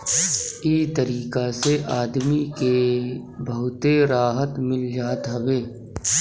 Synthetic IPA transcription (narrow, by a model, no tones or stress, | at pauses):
iːt̪əɾiːkaseʔaːd̪mikebəɦʊt̪eɾaːɦət̪mɪld͡ʒaːt̪ɦɐbeː